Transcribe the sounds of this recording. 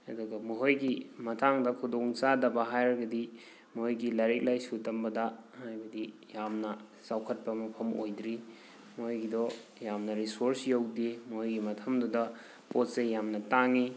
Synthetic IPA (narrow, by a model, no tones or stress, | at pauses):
ɐ̰duɡɐmuɦojɡimɐtʰaŋdɐkʰudoŋt͡ʃadɐbɐɦajɾɡɐdi | mojɡilaɾek̚lajsutɐmbɐdɐhajbɐdijamnɐ | sawkʰɐt̚pɐmɐpʰɐmʔo̰jdɾi | mojɡidɔjamnɐɾisoɾsjowdimuɦojɡimɐtʰɐmdudɐ | pot̚sejamnɐtaŋi